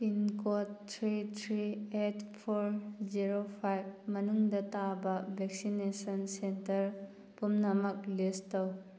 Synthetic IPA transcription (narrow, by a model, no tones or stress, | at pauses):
pinkotːʰɾitʰɾietʰpʰoɾziɾopʰajb̚mɐnuŋdɐtabɐbʱeksinesɐnsentɐɾ | pumnɐmɐk̚listɐw